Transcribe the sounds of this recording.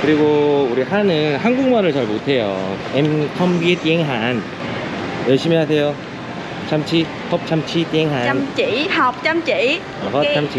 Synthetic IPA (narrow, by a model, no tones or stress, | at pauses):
kɯɾiɡouɾiɦanɯɭɦanɡuŋmaɾɯɭt͡ɕaɭmotʰe̞jo̰emkʰʌmbiet͈ieŋɦan | jʌɭɕ͈ʰimiɦas̬ʰe̞jo | t͡ɕʰamt͡ɕʰi | kʰʌp̚t͡ɕʰamt͡ɕʰit͈ieŋɦanmt͡ɕiɦap̚t͡ɕamt͡ɕi | ʌpʰʌt͡ɕʰamt͡ɕʰi